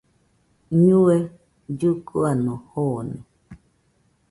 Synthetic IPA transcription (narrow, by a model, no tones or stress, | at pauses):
ɲũe | d͡ʒukuanõhonẽ